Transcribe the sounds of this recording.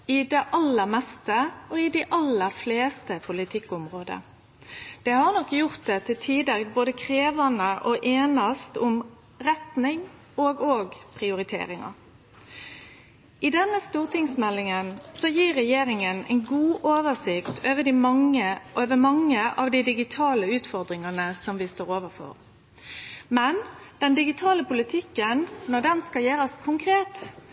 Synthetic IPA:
ɪd̪ɛʔɑlːəɾmɛst̪əɔɪd̪ɪʔɑlːəɾfleːst̪əpʰʊlɪt̪ʰɪkːʊmʁoːd̪ə̰ | d̪̥ɛhɑʁnɔkːjʊʁt̪̚d̪ɛt̪ʰɪt̪ʰiːd̪əboːd̪əkʰɾeːʋənəʔɔʔeːnɑst̪ʊm | ɾɛt̪nɪŋ | oːɡoːɡpʰʁɪʊɾɪt̪ʰḛːɾɪŋɑ̰ | ʔɪd̪ɛnːəst̪uːʁt̪ɪŋsmɛlːɪŋənsɔjiːɾːɛjeːɾɪŋənɛ̰ɪnɡuːʔoːʋəsɪkt̪ʰøːʋəd̪ɪmɑŋəʔøːʋəmɑŋːəʔɑːʋd̪ɪd̪ɪɡɪt̪ʰɑːləʉːt̪fɔɾd̪ɾɪŋɑnəsɔmʋɪst̪oːɾoːʋəfɔ̰ɾ | mɛnd̪̥ɛnd̪ɪɡɪt̪ʰɑːləpʊlɪt̪ʰɪkːənːɔd̪ɛnskɑljeːɾəskʰʊŋkʰɾeːt̪

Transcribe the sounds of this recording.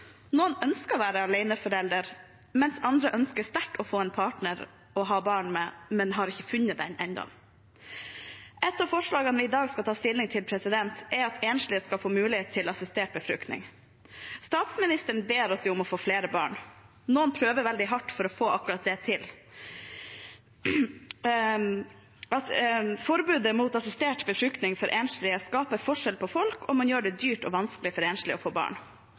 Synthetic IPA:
noːənœnskəʋæːɾəɑleɪnəfɔɾɛld̪əɾ | mɛnsɑnd̪ɾəʔœnskəst̪æʈːɔfoːɛːnpʰɑːʈɳəɾ | ɔɦɑːbɑːɳmɛmɛnɦɑɾɪçəfʉnːəd̪ɛ̰nʔɛnd̪ɔ̰m | ʔɛt̪ːɑʋfɔʂɭɑːɡənʋɪːd̪ɑːɡskɑt̪ʰɑːst̪ɪlɪŋt̪ʰɪlpʰɾɛsɪd̪ɛnt̪ʔɛɑt̪ʰeːnʂlɪəskɑlfoːmʉːlɪheːt̪t̪ʰːɪlɑsɪst̪eːʈ̚bəfɾʉ̰kt̪nɪ̰ŋ | st̪ɑːt̪smɪnɪst̪əɳ̩beːɾɔsjʊʊmɔfoːfleːɾəbɑ̰ːɳ | noːənpʰɾøːʋəʋɛld̪ɪɦɑʈːfɔɾɔfoːʔɑkʉɾɑt̪̚d̪ɛt̪ʰɪl | ɑfɔɾbʉːd̪əmuːt̪ɑsɪst̪eːʈbəfɾʉkt̪nɪŋfɔɾʔeːnʂlɪəskɑːpəfɔʂɛlpʰɔfɔlkʰɔmɑnjøːɖɛd̪yːʈɔʋɑnsklɪfɔɾeːnʂlɪɔfoːbɑ̰ːɳ

